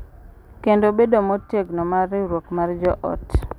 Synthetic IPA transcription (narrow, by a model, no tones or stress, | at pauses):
kendobedomɔtjeɡnɔmarɪɾwokmard͡ʒɔʔɔ̰t